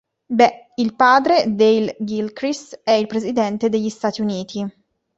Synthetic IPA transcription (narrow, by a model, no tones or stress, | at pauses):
bɛ | ilpaːd̪ɾed̪eilɡilkɾist̪ɛilpɾezid̪ɛnt̪ed̪eʎːist̪aːt̪iuniːt̪ʰi